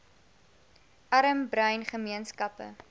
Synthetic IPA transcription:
ʔɐɾəmbrœɥnχəmiənskɐpə̰

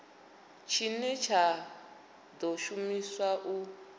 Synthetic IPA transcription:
t͡ʃʰinɛt͡ʃʰa | d̪ɔʃumiswaʔu

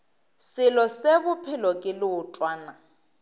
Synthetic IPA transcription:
sɪlɔsebʊpʰɪlɔkʼɪlɪʊtʼwaːna

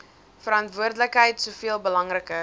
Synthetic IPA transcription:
fəɾɑntvuərdələkɦəjtsuəfiəlˠbəlɐŋrəkə

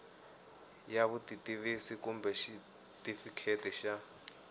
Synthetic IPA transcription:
jaβutitʼiβisikumbɛʃi | tifikʰetʼɛʃa

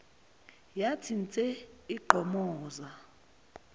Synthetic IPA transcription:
jatʰint͡sʼɛiɡ͡ǃʱɔmɔːza

